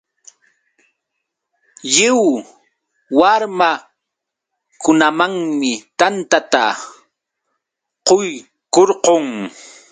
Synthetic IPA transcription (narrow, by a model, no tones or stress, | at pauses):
jɪw | waɾma | kʊnamaŋmɪt̪ant̪at̪a | qoj | koɾqoŋ